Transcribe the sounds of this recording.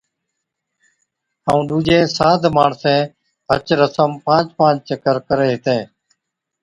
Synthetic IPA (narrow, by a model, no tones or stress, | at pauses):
haːũːɗuːd͡ʒẽːsaːd̪ʱmaːɳsɛ̃ː | ɦə̰t͡ʃɾəsəmpãːt͡ʃpãːt͡ʃt͡ʃəkəɾkəɾeːɦɪt̪ẽː